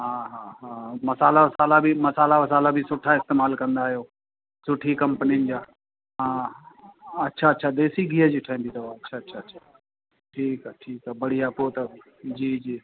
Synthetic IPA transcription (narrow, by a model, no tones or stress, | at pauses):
ɦãːɦaɦãːmɐsaːlaʋɐsaːlabʱimɐsaːlaʋɐsaːlabʱisʊʈʰːaɪst̪eːmaːlkɐ̃nd̪aːɦijoː | sʊʈʰikɐ̃mpəninɪd͡ʑaː | ɦãː | ɐtːʃʰaɐtːʃʰad̪eːsiɡʱiːɦəd͡ʑiːʈʰaːĩmbʱit̪ɐʋaɐtːʃʰaɐtːʃʰaɐtːʃʰḁ | ʈʰiːkːʈʰiːkabɐɽ̤ijapoːt̪ɐ | d͡ʑiːd͡ʑi